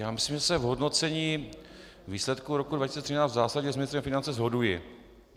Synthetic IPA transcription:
jaːmɪsliːmʒɛsɛvɦodnot͡sɛɲiː | viːslɛt̪kuɾo̞kudvacisit͡sɛt̪rinaːt͡st̪zaːsaɟɲɛzmɪnɪst̪ɾɛmfɪnant͡sɛzɦo̞dujɪ

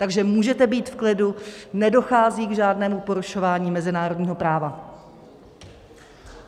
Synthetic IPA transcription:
t̪aɡʒɛmuːʒɛt̪ɛbiːt̪fklɪdunɛdo̞xaːziːɡʒaːdnɛːmupo̞ɾuʃo̞vaːɲiːmɛzɪnaːɾodɲiːɦo̞pɾaːva

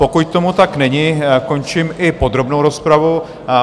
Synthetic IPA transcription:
po̞kuct̪o̞mut̪aknɛɲɪko̞nt͡ʃɪmʔɪpo̞d̪ɾo̞bnowɾo̞spɾavu

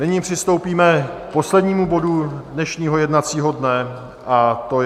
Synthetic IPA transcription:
nɪɲɪpr̝̥ɪst̪o̞wpiːmɛk̚po̞slɛdɲiːmubo̞dudnɛʃɲiːɦo̞jɛdnat͡siːɦo̞dnɛ | ʔat̪o

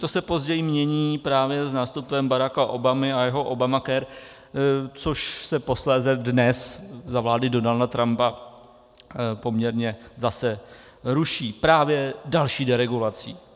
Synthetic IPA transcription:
t̪o̞sɛpo̞zɟɛjɪmɲɛɲiːpɾaːvjɛznaːst̪upɛmbaɾakaʔo̞bamɪajɛɦo̞ʔobamakɛɾ | t͡soʃsɛpo̞slɛːzɛdnɛszavlaːdɪdo̞naldat̪ɾampa | po̞mɲɛɾɲɛzasɛ | ɾuʃiːpɾaːvjɛdalʃiːdɛɾɛɡulat͡sḭː

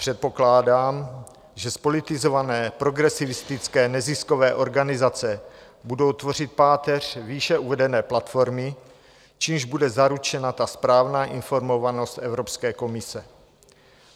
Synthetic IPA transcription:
pr̥ɛt̪̚po̞klaːdaːm | ʒɛspo̞lɪt̪ɪzo̞vanɛːpɾo̞ɡɾɛsɪvɪst̪ɪt͡skɛːnɛzɪsko̞vɛːʔo̞ɾɡanɪzat͡sɛ | budo̞wt̪vo̞r̝ɪt̪̚paːt̪ɛr̝̥viːʃɛuvɛdɛnɛːplat̪fo̞ɾmɪ | t͡ʃiːmʒbudɛzaɾut͡ʃɛnat̪aspɾaːvnaːʔɪnfo̞ɾmo̞vano̞st̪ʔɛvɾo̞pskɛːko̞mɪsɛ

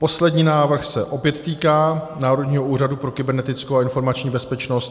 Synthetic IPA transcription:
po̞slɛdɲiːnaːvr̩xsɛʔo̞pjɛt̪ːiːkaːnaːɾodɲiːɦoʔuːradupɾo̞kɪbɛɾnɛt̪ɪt͡skowaɪnfo̞ɾmat͡ʃɲiːbɛspɛt͡ʃno̞st̪

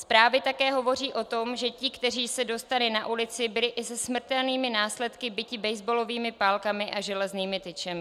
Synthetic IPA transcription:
spɾaːvɪt̪akɛːɦo̞vo̞r̝iːʔo̞t̪o̞mʒɛcɪkt̪ɛriːsɛdo̞st̪alɪnaʔulɪt͡sɪbɪlɪʔɪsɛsmr̩t̪ɛlniːmɪnaːslɛt̪kɪbɪcɪbɛjzbolo̞viːmɪpaːlkamɪʔaʒɛlɛzniːmɪt̪ɪt͡ʃɛmɪ

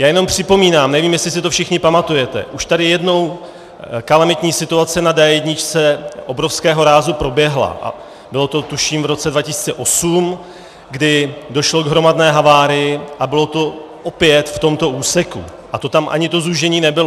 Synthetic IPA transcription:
jaːjɛno̞mpr̝̥ɪpo̞miːnaːmnɛviːmjɛslɪs̬ɪt̪ofʃɪxɲɪpamat̪ujɛt̪ɛ̰ʔuʃt̪adɪjɛdno̞w | kalamɪt̪ɲiːsɪt̪uat͡sɪnadaɛdɲɪt͡ʃt͡sɛʔobɾo̞fskɛːɦo̞ɾaːzupɾo̞bjɛɦla̰ʔa̰ | bɪlo̞t̪o̞t̪uʃiːmvɾo̞t͡sɛdvacɪsi̥ːt͡sɛʔo̞sum | ɡdɪdo̞ʃlo̞ɡɦɾo̞madnɛːɦavaːɾɪjɪʔabɪlo̞t̪o̞ | ʔopjɛt̪ft̪o̞mt̪o̞ʔuːsɛkṵ | ʔat̪o̞t̪amʔa̰ɲɪt̪o̞zuʒɛɲiːnɛbɪlo

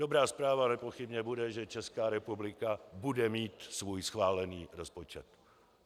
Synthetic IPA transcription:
dobɾaːspɾaːvanɛpo̞xɪbɲɛbudɛʒɛt͡ʃɛskaːɾɛpublɪkabudɛmiːt̪svuːjsxvaːlɛniːɾospot͡ʃɛ̰t̪

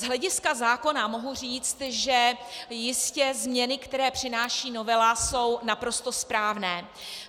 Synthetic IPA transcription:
zɦlɛɟɪskazaːko̞namo̞ɦuriːt͡st̪ʒɛjɪscɛzmɲɛnɪkt̪ɛɾɛːpr̝̥ɪnaːʃiːno̞vɛlaso̞wnapɾo̞st̪o̞spɾaːvnɛː

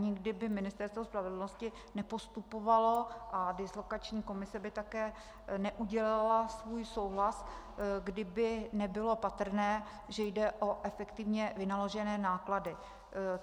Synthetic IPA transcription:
ɲɪɡdɪbɪmɪnɪst̪ɛɾst̪vo̞spɾavɛdl̩no̞scɪ | nɛpo̞st̪upovalo̞ʔadɪslo̞kat͡ʃɲiːko̞mɪsɛbɪt̪akɛː | nɛʔuɟɛlalasvuːjso̞wɦlas | ɡdɪbɪnɛbɪlo̞pat̪r̩nɛː | ʒɛjdɛʔo̞ʔɛfɛkt̪ɪvɲɛvɪnalo̞ʒɛnɛːnaːkladɪ

